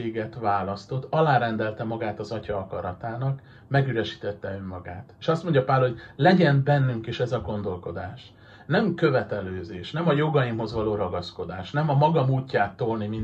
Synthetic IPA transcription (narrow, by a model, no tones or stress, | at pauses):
eːɡɛt̪ʋaːlɒst̪o̞t̪ːɒlaːɾɛnd̪ɛlt̪ɛmɒɡaːt̪ɒzɒcɒɒkɒɾɒt̪aːnɒk | mɛɡyɾɛʃi̥ːt̪ɛt̪ːɛø̞mːɒɡa̰ːt̪eːʃɒst̪mo̞ɲɟɒpaːlho̞ɟlɛɟɛnbɛnːyŋkiʃɛzɒɡo̞nd̪o̞lko̞d̪aːʃ | nɛmkø̞vɛt̪ɛløːzeːʃnɛmɒjo̞ɡɒjimɦo̞zʋɒloːɾɒɡɒsko̞d̪aːʃnɛmɒmɒɡɒmuːcːaːt̪ːolnimin